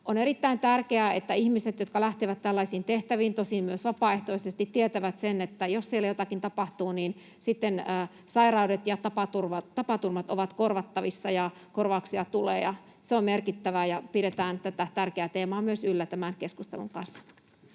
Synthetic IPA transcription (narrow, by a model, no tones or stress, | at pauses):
oneɾit̪ːæint̪ærkeæet̪ːæihmiset̪jot̪̚kɑlæht̪eʋæt̪ːtælːɑisiːnt̪eht̪æʋiːnt̪osimmyøsʋɑpɑːeht̪oisest̪it̪tiet̪æʋæt̪senet̪ːæjossielːæjot̪ɑkint̪ɑpɑht̪uːniːn | sit̪ːenəː | sɑirɑudet̪jɑt̪ɑpɑt̪urʋɑt̪ɑpɑt̪urmɑt̪oʋɑt̪korʋɑt̪ːɑʋisːɑjɑ | korʋɑuksiɑt̪ulḛːjɑ | seommerkit̪ːæʋæjɑpiɾet̪æːnt̪æt̪æt̪ærkeæt̪eːmɑːmyøsylːæt̪æmænkeskust̪ḛlṵŋkɑnsːɑ̥